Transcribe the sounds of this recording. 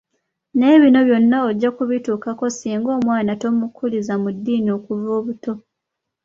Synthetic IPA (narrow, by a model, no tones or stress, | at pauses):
ne̞ːβino̞βjo̞nːaoɟːakuβituːkako̞siːŋɡo̞ːmwaːnato̞mukʰulizamudːiːnio̞kuvoːβuto̞